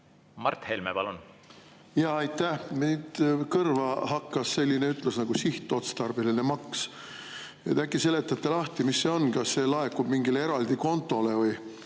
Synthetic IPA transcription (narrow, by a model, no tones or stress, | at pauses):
mɑrt̪helmepɑ̰lun | jɑɑjt̪ːæhmid̪kɤrvɑhɑkːɑsːe̞lʲːineyt̪ːˑlesnɑɡ̥usiht̪ːˑo̞t̪st̪ɑrbelinemɑks | et̪ækːˑise̞le̞t̪ːˑɑt̪ːˑelɑht̪imisːe̞o̞nkɑsːe̞lɑekːub̥miŋɡilee̞ɾɑld̪iko̞nt̪ˑːo̞le̞vɤj